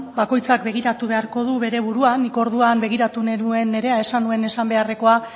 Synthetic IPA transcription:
bako̞jt͡sakbe̞ɣ̞iɾat̪uβe̞aɾko̞ðuβe̞ɾe̞β̞uɾuaniko̞ɾðuambe̞ɣ̞iɾat̪uneɾue̞ne̞ɾe̞ae̞sanue̞ne̞sambe̞are̞ko̞a

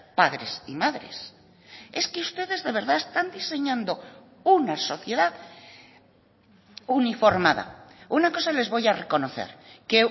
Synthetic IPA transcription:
paðɾe̞̰sḭmaðɾe̞̰s | e̞skeust̪e̞ðe̞zðe̞β̞e̞ɾðaest̪and̪ise̞ɲãnd̪o̞ | unaso̞θje̞ðað | unifo̞ɾmað̞a̰unako̞sale̞zβo̞jare̞ko̞no̞θe̞̰ɾke

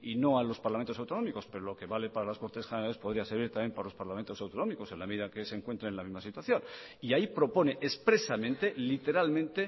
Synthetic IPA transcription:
ino̞alo̞spaɾlamẽnt̪osawt̪o̞no̞miko̞spe̞ɾolo̞ke̞βale̞paɾalasko̞ɾt̪e̞sxeneɾalespo̞ðɾiaseɾβiɾt̪amje̞mpaɾalo̞spaɾlament̪o̞sawt̪o̞no̞miko̞senlame̞ðiðake̞se̞ŋkwe̞nt̪ɾeelamizmasit̪waθjo̞n | iaipɾo̞po̞neʔespɾe̞samẽnt̪e̞lit̪e̞ɾalmẽnt̪e̞

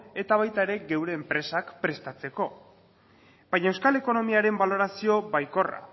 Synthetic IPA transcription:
e̞t̪aβajt̪ae̞ɾe̞ɡe̞wɾe̞ːmpɾe̞sakpɾe̞st̪at͡se̞ko̞ | bajɲae̞wskale̞ko̞no̞miaɾe̞mbalo̞ɾasio̞βajko̞ra̰

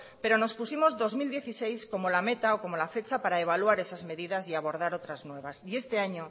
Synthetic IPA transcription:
pe̞ɾono̞spusimo̞zðo̞zmild̪je̞θisejsko̞molame̞t̪aoko̞molafe̞t͡ʃapaɾaeβ̞aluaɾe̞sazme̞ðiðasiaβ̞o̞ɾð̞aɾot̪ɾaznwe̞β̞asie̞st̪eaɲo

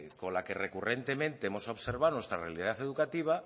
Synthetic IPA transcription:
ko̞nlakerekure̞nt̪e̞mẽnt̪eemo̞saoβseɾβ̞awnwe̞st̪ɾarealiðaθe̞ðukat̪iβ̞a

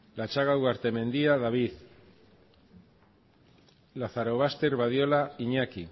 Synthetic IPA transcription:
lat͡ʃaɣaɣaɾt̪e̞me̞nd̪iaðaβiθ | laθaɾoβ̞ast̪eɾβað̞jolaiɲaki

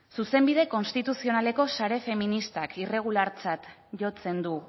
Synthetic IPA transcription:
suse̞mbið̞e̞ko̞nst̪it̪usio̞nale̞ko̞saɾe̞fe̞minist̪akire̞ɣ̞ulaɾt͡sat̪ | ʝo̞t͡se̞nd̪u

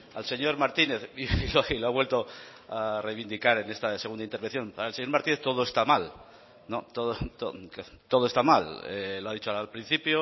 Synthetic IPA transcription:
alse̞ɲo̞ɾmaɾt̪ine̞θiiloailoaβwe̞lt̪o̞ | arejβind̪ikaɾe̞ne̞st̪aseɣund̪aint̪eɾβen̟θjo̞npaɾaelse̞ɲoɾmaɾt̪ine̞θt̪o̞ðoe̞st̪amal | not̪oðot̪o | t̪o̞ð̞oe̞st̪amalḛloaðit͡ʃoaalpɾin̟θipjo

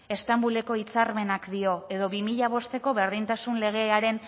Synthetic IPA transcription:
e̞st̪ambule̞ko̞it͡saɾme̞nakd̪io̞e̞ðo̞βimiʎaβ̞o̞st̪e̞ko̞βe̞ɾðint̪asunle̞ɣ̞e̞aɾe̞n

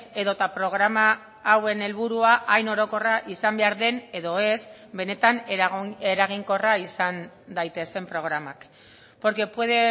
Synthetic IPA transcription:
se̞ðot̪apɾo̞ɣɾamaː | we̞ne̞lβuɾuaʔajno̞ɾo̞ko̞raʔisambe̞aɾðe̞ne̞ðo̞e̞sbe̞ne̞t̪aneɾaɣ̞iŋko̞raisan | d̪ajt̪e̞se̞mpɾo̞ɣ̞ɾamak | po̞ɾkepwe̞ðe

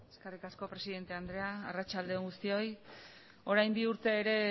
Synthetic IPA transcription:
eskerikasko̞pɾe̞siðe̞nt̪e̞and̪ɾe̞aːrat͡ʃald̪eoŋɡust̪io̞j | o̞ɾajmbiuɾt̪e̞ːɾe̞

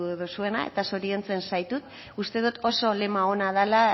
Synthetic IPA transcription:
ðusue̞na̰e̞̰t̪aso̞ɾient͡se̞nsajt̪ut̪̚ | ust̪e̞ðut̪o̞so̞le̞mao̞nað̞ala

